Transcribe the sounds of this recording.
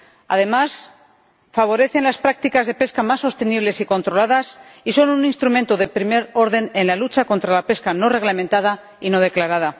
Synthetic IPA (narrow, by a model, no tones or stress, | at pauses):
a̰ð̞e̞mas | faβ̞o̞ɾe̞θe̞nlaspɾak̚t̪ikazðe̞pe̞skamasːo̞st̪e̞niβle̞siko̞nt̪ɾo̞laðasiso̞nuninst̪ɾumẽ̞nt̪oðe̞pɾime̞ɾo̞ɾðe̞ne̞nlalut͡ʃako̞nt̪ɾalape̞skano̞re̞ɣlamẽnt̪að̞a | ino̞ðe̞klaɾað̞a